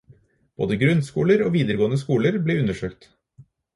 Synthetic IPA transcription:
b̥o̰ːd̪əɡɾʉnskṵːləɾoːʋiːd̪əɾɡoːənəskuːləɾbleːʉnəʃøːkt̪

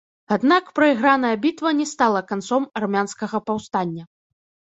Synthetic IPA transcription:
ad̪nakpɾɐiɣɾan̪ɐjɐbʲit̪vɐnʲɛst̪alˠɐkant̪sɔmɐrmʲanskɐɣɐpawst̪anʲːɐ

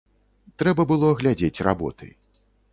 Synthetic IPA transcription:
t̪ɾɛbɐbɨlˠɔɐɣlʲad͡zʲet͡sʲra̰bɔ̰t̪ɨ̰j

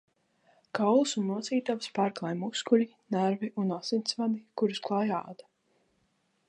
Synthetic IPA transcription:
kawlˠɨsunːuɔt̪siːt̪avspaːɾklˠajmuskulʲi | næɾviʔunasint̪svad̪ikuɾusklˠaja̰ːd̪a

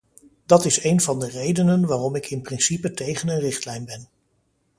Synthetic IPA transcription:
dɑtɪsejnvɑndərejdənənʋaːrɔmɪkɪnprɪnsipətejχənənrɪχtlɛjnbɛn

